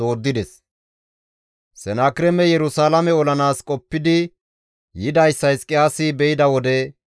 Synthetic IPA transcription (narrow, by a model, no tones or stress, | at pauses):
o̞ːd̪ːɪd̪ɛs | sɛnaːkɪɾɛmɛjɛɾʊsaːlɐmɛɔlɐnaːskʼɔpːɪd̪ɪ | jɪd̪ɐjsːɐjskʼɪjaːsibɛjɪd̪ɐwɔd̪ɛ